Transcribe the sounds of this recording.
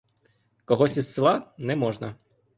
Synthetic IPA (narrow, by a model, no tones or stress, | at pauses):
kɔɦɔsʲisːɪlˠɑnɛmɔʒnɐ